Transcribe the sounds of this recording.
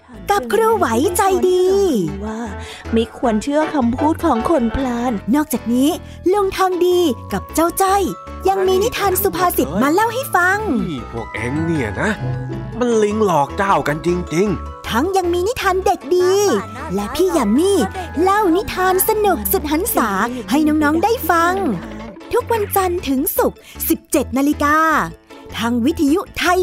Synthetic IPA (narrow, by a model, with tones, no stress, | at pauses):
ka˨˩p̚kʰɾuː˧wa˨˩˦jt͡ɕa˧jdiː˧waː˥˩ | ma˥˩jkʰu˧ənt͡ɕʰɯ˥˩ɐkʰa˧mpʰuː˥˩t̪̚kʰɔː˩˦ŋkʰo˧npʰlaː˧˥nːɔː˥˩k̚t͡ɕaː˨˩k̚niː˦˥ | lo˧əŋt̪ʰaː˧ŋdiː˧ka˨˩p̚t͡ɕa˥˩wt͡ɕa˧˥˩j | ja˧ŋmiː˧ni˦˥t̪ʰaː˧nsu˨˧˩pʰaː˧si˨˩t̪̚maː˧la˥˩wɦa˥˩jfa˧ŋpʰu˧˩k̚ʔḛ˨˦ŋni˧˩ɐna˦˥ma˧nli˧ŋlɔː˨˩k̚t͡ɕaː˧˩wka˧nt͡ɕi˧ŋt͡ɕi˧ŋ | t̪ʰa˦˥ŋja˧ŋmiː˧ni˦˥t̪ʰaː˧nde˨˩k̚diː˧ | lɛ˦˥pʰiː˥˩jaː˨˩miː˧˥˩la˥˩wni˦˥t̪ʰaː˧nsa˧nu˨˩k̚su˨˩t̪̚ha˩˦nsaː˩˦ha˥˩jnɔː˦˥ŋnɔː˦˥ŋdaː˥˩jfa˧ŋt̪ʰu˦˥k̚wa˧nt͡ɕa˧nt̪ʰɯ˩˦ŋsu˨˩k̚si˨˩p̚t͡ɕe˨˩t̪̚naː˧li˧kaː˧t̪ʰaː˦˥ŋwi˦˥t̪ʰːa˧ju˦˥t̪ʰa˧j